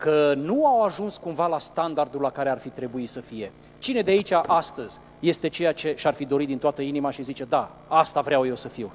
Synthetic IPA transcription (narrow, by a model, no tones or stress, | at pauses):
kənuawaʒunskumvalast̪and̪ard̪ulːakaɾearfit̪ɾe̞buisəfije̞ | t͡ʃine̞d̪eait͡ʃaʔast̪əzʲ | je̞st̪e̞t͡ʃe̞jat͡ʃe̞ʃarfid̪o̞ɾit̪d̪int̪oat̪əinimaʃizit͡ʃe̞d̪a | ast̪avɾeawje̞wsəfiw